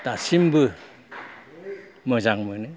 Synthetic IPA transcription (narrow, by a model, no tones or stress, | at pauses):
tasimbɯ | məzaŋmɯnɯ